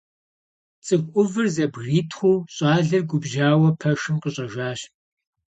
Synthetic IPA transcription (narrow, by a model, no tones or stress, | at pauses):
t͡sʼɨxʷʼʔʊvɨrzɐbɣriːtʰχʷuːɕʼɑːɮɐrɡʷʊbʒaːwɐpʰɐʃɨmqəɕʼɐʒaːɕ